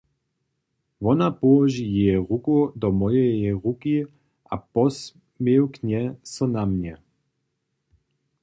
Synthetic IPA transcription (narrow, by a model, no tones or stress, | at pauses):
ʋɔnapɔɔʒijɛɛʁukud̪ɔmɔjɛjɛʁuki | ʔa̰pɔs | mewkɲɛsɔnamɲɛ